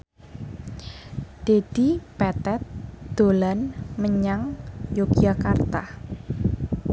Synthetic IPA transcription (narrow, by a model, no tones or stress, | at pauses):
d̪̥ed̪̥ipɛt̪ɛt̪̚d̪̥o̤lanməɲaŋjoɡ̥iakart̪ah